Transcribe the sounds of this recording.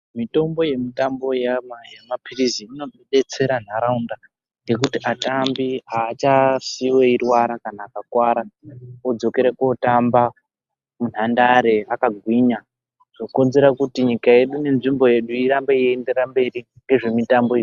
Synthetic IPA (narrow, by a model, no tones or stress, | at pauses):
mito̞mbo̞je̞mitambo̞jamajamapʰiriziino̞ɓeɗe̞t͡se̞ɾan̤aɾaunda | jɡe̞k̬utiʔatambiaːt͡ʃasiwe̞irwaɾakanaːkakwaɾaod͡zo̞ke̞ɾeko̞tamba | mun̤andaɾe̞akaɡʱwiɲa | ʐ̥okonze̞ɾakutiɲikae̞ɗune̞nʐimbo̞je̞ɗuiɾambeiende̞rambe̞ri | ŋɡe̞ʐe̞mitambo̞iʐi